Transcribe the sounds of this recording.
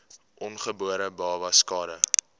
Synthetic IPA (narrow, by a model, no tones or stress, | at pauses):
ʔɔnχəbuəɾəbɑːvɐskɑːɾə